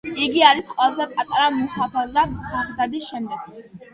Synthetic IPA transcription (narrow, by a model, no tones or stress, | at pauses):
iɡiaɾisqʼwɛlˠazɛpʼat̪ʼaɾamuhapʰaaaχd̪ad̪isʃɛmd̪ɛɡ̥̚